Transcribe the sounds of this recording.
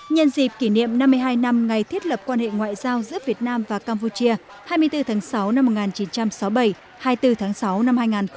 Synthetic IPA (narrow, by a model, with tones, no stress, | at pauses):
ɲə˧nzi˨˩p̚ki˧˩nḭ˧˨ə˨mna˧mːɨ˧jɦaː˧jna˧mŋa˨˩jt̪ʰi˦˥ət̚lə˨˩p̚kwaː˧nhḛ˧˨ŋwa̰ː˧˨jzaː˧wzɨ̰˧˥əvi˨˩ət̚naː˧mvaː˨˩kaː˧mpu˧t͡ɕi˧ə | haː˧jmɨ˧əjt̪ɨ˧t̪ʰaː˨˦ŋsa˨˦wna˧mːo˨˩ŋaː˨˩nt͡ɕi˨˦nt͡ɕa˧msɔ˨˦wɓə˧˩j | haː˧jt̪ɨ˧t̪ʰaː˨˦ŋsa˨˦wna˧mhaː˧jŋaː˨˩n